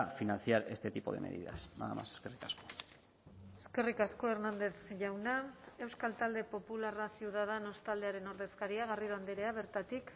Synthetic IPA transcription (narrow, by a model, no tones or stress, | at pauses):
finanθiaɾe̞̰st̪e̞t̪ipo̞̰ðe̞̰mḛðḭða̰sna̰ðama̰seskerikasko | eske̞rikasko̞e̞ɾnand̪e̞sʝawnae̞wskalt̪ald̪e̞po̞pularasiuðað̞ano̞st̪ald̪e̞aɾe̞no̞ɾðe̞skaɾiaɣ̞ariɾo̞and̪eɾe̞aβ̞e̞ɾt̪at̪ik